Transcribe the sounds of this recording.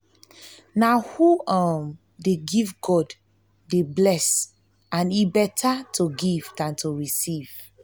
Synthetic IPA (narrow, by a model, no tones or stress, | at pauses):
nahuɔm | deɡivɡɔdː | eblɛs | ãnibɛtʰatʰoɡivdãntʰoɹisiv̥